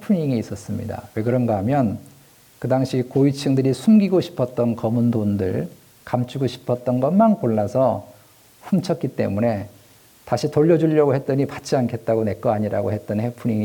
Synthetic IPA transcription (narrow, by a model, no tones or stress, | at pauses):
hepʰuɲiŋiːs͈ʌs͈ɯmɲḭda̰we̞kɯɾʌnɡʌɦamjʌn | kɯdaŋɕʰikoit͡ɕʰɯŋdɯɾisʰumɡiɡoɕʰi̥pʰʌt̚t͈ʌnkʌmundondɯ̰ɭ | kamt͡ɕʰuɡoɕʰi̥pʰʌt̚t͈ʌnɡʌnmankoɭːasʰʌ | ɸumt͡ɕʰʌt̚k͈it͈e̞̰mune̞ | taɕʰitoʎːʌd͡ʑuʎːʌɡohe̞t̚t͈ʌɲipat͡ɕ͈iankʰe̞t̚t͈aɡone̞k͈ʌaɲiɾa̰ɡohe̞t̚t͈ʌnhe̞pʰuɲiŋi